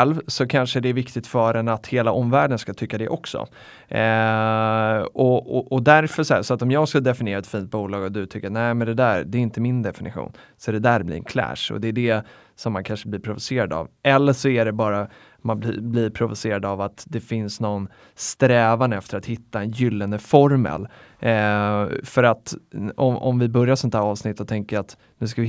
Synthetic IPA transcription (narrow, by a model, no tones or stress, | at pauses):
ɛlvsɔkʰanʂəd̪ɛæɾvɪkt̪ɪt̪fœːɖɛnat̪heːlaʔɔmvæːɖənskat̪ʰʏkːad̪ɛʔɔksɔ̰ | ɔɔʔɔd̪æɾfəʂɔhæʂɔat̪ɔmjɑːɡskad̪ɛfɪnɪjeːɾaɛt̪fiːnt̪̚buːlɑːɡɔd̪ɵt̪ʰʏkːɾat̪nɛɪmɛnd̪ɛd̪æɾd̪ɛːɾɪnt̪əmɪnd̪ɛfɪnɪ̰ɧṵːnsɔɛd̪ɛd̪æɾblɪ̰nkʰlæ̰ːʂɔ̰d̪ɛːɖɛ | sɔmːankʰanʂəblɪɾpʰɾʊvʊseːɾad̪ɑ̰ːvʔɛlːəʂɔæɖɛbɑːɾa | manblɪ̰blɪɾpʰɾʊvʊseːɾad̪avat̪d̪ɛfɪnsnɔn | st̪ɾɛːvand̪əɛft̪əɾat̪hɪt̪ːaɛnjʏlːand̪əfɔɾmɛ̰l | fœɾat̪ɔmɔ̰mvɪbœɾjasɔnt̪hæːɾɑːvsnɪt̪ːɔt̪ʰɛŋkəɾat̪ | nʉ̟ːskavɪ